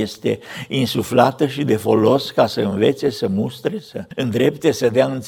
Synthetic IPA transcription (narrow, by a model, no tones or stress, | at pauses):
est̪e̞̰insuflat̪əʃid̪e̞fo̞lo̞skasəɨnve̞t̪se̞səmust̪ɾe̞səɨnd̪ɾe̞pt̪e̞səd̪eaɨnt̪s